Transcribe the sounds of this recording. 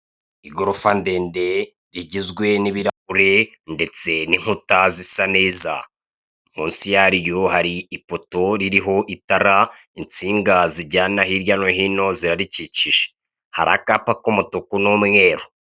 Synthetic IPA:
iɡoɾofande̞ːnde̞ | ɾiɟizɡwe̞niβiɾauɾe̞ | nde̞t͡se̞niŋ̥hutazisane̞ːza̰ | muːnsijaɾjohaɾiipoto̞ɾiɾiɦo̞ʔitaɾa | int͡siːŋɡaziɟaːnaɦiɾjanoɦino̞ziɾaɾiciciʒe̥ | ha̰ɾa̰kapakumutokunomŋe̞ːɾo

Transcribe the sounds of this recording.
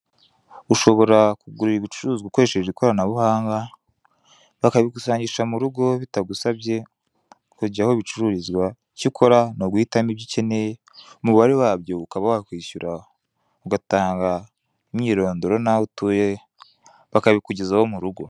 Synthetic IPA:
uʃo̞βo̞ɾakuɡuɾiɾiβit͡ʃuɾuːzɡakoɾeʃeʒeikoɾanaβuhaːŋɡa | βakaβikusaːɲɟiʃamuɾuɡo̞βitaɡusaβje̞ | kuɟiahoβit͡ʃuɾuɾizɡwa | cikʰo̞ɾanoɡwiːtamibɟiceneje | muβuβaɾiwaːβjo̞ukaβawakwiːɕuɾa | uɡataːŋɡa | imɲiːɾo̞ːndoɾo̞nautuːje | βakaβikuɟezawomuɾuɡo̞

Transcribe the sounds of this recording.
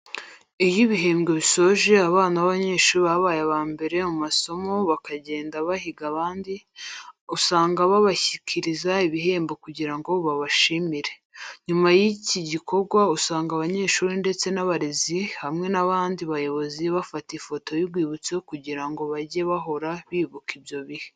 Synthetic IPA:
ijiβiɦe̞ːmɡeβiso̞ʒe̞aβaːnaβaβaɲe̞ːʃuːɾiβaβaːjeβaːmbe̞ɾe̞mumaso̞mo̞βakaɟe̞ːndaβahiɡaβaːndi | usaːŋɡaβaβaçicʰiɾizaiβiɦe̞ːmbekuɟiɾaŋɡo̞βaβaʃiːmiɾe̞ | ɲumajiciɟikʰo̞ɾɡwausaːŋɡaβaɲe̞ːʃuːɾinde̞t͡se̞naβaɾezihamŋe̞naβaːndiβajo̞βoziβafatifo̞to̞jibɡwiːβut͡sokuɟiɾaŋɡo̞βaɟe̞βaɦo̞ɾaβiːβukibjo̞βihe

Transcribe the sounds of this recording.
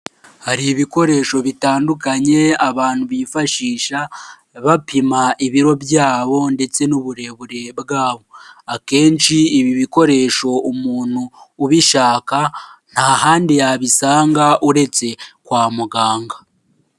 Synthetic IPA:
haɾiβiko̞ɾe̞ːʃo̞βitaːndukaɲe̞aβaːn̥huβifaʃiːʃa | βapimaʔiβiɾo̞bjaːβo̞nde̞t͡se̞nuβuɾe̞βuɾe̞bɡaːβo̞ake̞ːnt͡ʃiiβiβiko̞ɾe̞ʃo̞umuːn̥huːβiʃaːkan̥hahaːndijaβisaːŋɡaʔuɾe̞t͡se̞kwaːmuɡaːŋɡa

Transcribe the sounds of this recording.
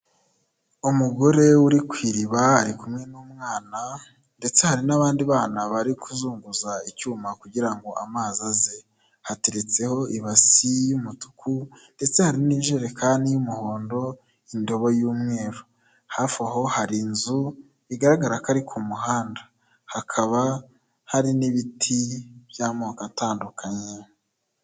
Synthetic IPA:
umuɡo̞ɾe̞wuɾikwiːɾiβaaɾikumŋe̞numŋaːna | nde̞t͡se̞haɾinaβaːndiβaːnaβaɾikuzuːŋɡuzaicuːmakuɟiɾaŋɡo̞ʔamaːzaze̞ | hate̞ɾe̞t͡se̞ho̞ʔiβasijumutu̥kunde̞t͡se̞haɾiniːʒeːɾekʰaːndijumuho̞ːndo̞ | indo̞βojuːmŋe̞ːɾo | hafaɦo̞haɾinzu | iɡaɾaɡaɾakaɾikʰumuɦaːndḁ | hakʰaβa | haɾiniβitʰiβjaːmoːkantaːndukʰaɲe̞

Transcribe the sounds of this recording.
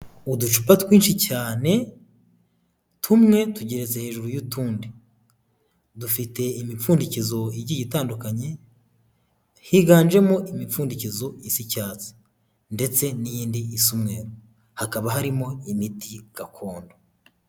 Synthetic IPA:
udut͡ʃu̥patwiːnʃicaːne̞ | tʰumŋe̞tuɟe̞ɾet͡sehe̞ːʒuɾujutuːndi | dufite̞imifuːndicizo̞iɟiɟitaːndukaɲe̞ | hiːɡaːnʒe̞mo̞ʔimifuːndicizo̞isicaːt͡si̥ | nde̞t͡se̞nijiːndiisumŋe̞ːɾo | hakaβaɦaɾimo̞imitiɡ̥akʰo̞ːndo

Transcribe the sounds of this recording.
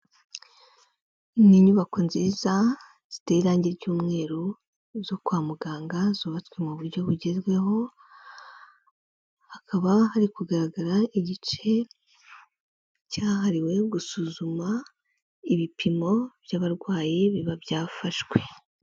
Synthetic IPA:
niɲuβakonziza | z̥iteiɾaːɲɟiɾɟuːmŋe̞ːɾo | zokwaːmuɡaːŋɡazoːβatkwemuβuɾɟo̞βuɟe̞zɡwe̞ɦo̞ | hakʰaβahaɾikuɡaɾaɡaɾaiɟit͡ʃe̞ | caːɦaɾiwe̞ɡusuzuma | iβipʰimo̞b̥jaβaɾɡwaːjeβiβabjaːfaʃɡwe̞

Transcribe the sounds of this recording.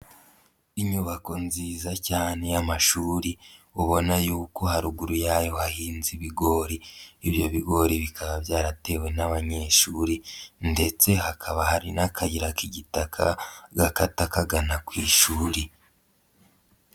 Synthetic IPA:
iɲuβako̞nziːzacaːne̞jamaʃuːɾiuβo̞najuːko̞ɦaɾuɡuɾujaːjo̞hahiːnziβiɡo̞ɾiiβjo̞βiɡo̞ɾiβikʰaβabjaːɾate̞we̞naβaɲe̞ʃuːɾinde̞t͡se̞ɦakʰaβahaɾinakʰaɟiɾakiɟitakʰaɡakatakaɡanakwiːʃuːɾi

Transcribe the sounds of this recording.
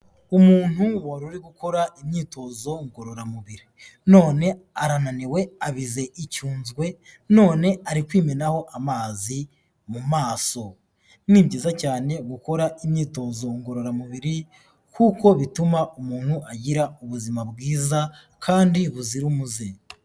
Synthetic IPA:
umuːn̥huwaɾuɾiɡuko̞ɾaʔimɲiːto̞zo̞ŋɡo̞ɾo̞ɾamuβiɾi | no̞ːne̞aɾananiwe̞aβize̞ʔicuːnzɡwe̞no̞ːne̞aɾikwiːme̞naho̞ʔamaːzi | mumaːso̞ | niːmɟiːzacaːne̞ɡuko̞ɾaʔimɲiːto̞zo̞ŋɡo̞ɾo̞ɾamuβiɾi | kuːko̞βitumaʔumuːn̥huʔaɟiɾauβuzimabɡiːza | kʰaːndiβuziɾumuze

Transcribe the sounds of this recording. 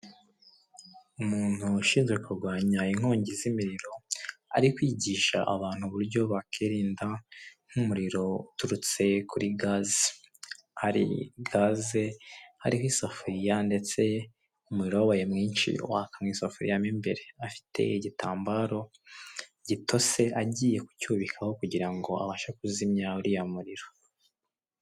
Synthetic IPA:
umuːn̥huʃiːnzɡwekuɾɡwaːɲaiŋ̥ho̞ːɲɟizimiɾiɾo̞a̰ɾikwiːɟiːʃa̰ʔa̰βaːn̥huβuɾɟo̞βakiːɾiːndaŋ̥humuɾiɾo̞utuɾut͡se̞kʰuɾʔiɡaːzi | haɾḭɡaːzeha̰ɾihisafuɾijande̞t͡se̞ | umuɾiɾowawajemŋiːnʃḭṵwaːkamŋiːsafuɾḭjamimbeɾeafi̥tʰe̞̰iɟitaːmbaːɾo̞ | ɟitʰo̞se̞ʔaɟiːje̞ku̥cuːβikʰaho̞kuɟiɾaŋɡo̞a̰βaːʃakuzimɲauɾijamuɾiɾo̞

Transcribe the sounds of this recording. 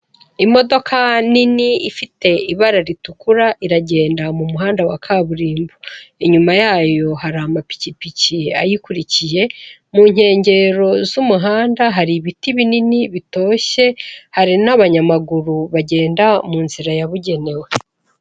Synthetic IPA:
imo̞do̞kʰaniniifite̞iβaɾaɾitukuɾaʔiɾaɟe̞ːndamumuɦaːndawakʰaːβuɾiːmbuiɲumajaːjo̞haɾamapi̥cipiciajikuɾicije̞muːɲ̥he̞ːɲɟe̞ɾo̞zumuɦaːndaɦaɾiβitiβininiβito̞ːʃe̞haɾinaβaɲamaɡuɾuβaɟe̞ːndamuːnziɾajaβuɟe̞ne̞we

